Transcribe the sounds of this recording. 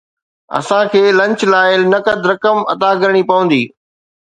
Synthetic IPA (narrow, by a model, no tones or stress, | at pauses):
ɐ̰sãkʰeːlɐ̃ɲt͡ɕlaːɪlnɐkəd̪ʱɾɐkəmɐt̪aɡɐɾɽ̃ipɐʋə̃n̆d̪iː